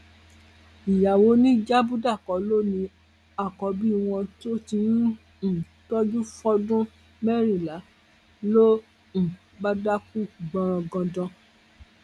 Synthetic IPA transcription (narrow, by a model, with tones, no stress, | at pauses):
i˨ja˨wo˨˦nĩ˦d͡ʒa˦bu˦da˦˨kɔ˨˦lo˦nĩ˧ | a˦˨kɔ˨˦bi˦w̃ɔ̃˧to˦ti˧˦ | ñ̩˨ | tɔ˦d͡ʒu˦fɔ˧dũ˦ | mɛ˦ɾĩ˦˨la˨˦ | lo˦ | ñ̩˨ | ba˦da˦ku˦˨ɡ͡bɔ̃˧ɾ̃ɔ̃˧ɡɔ̃˧dɔ̃˧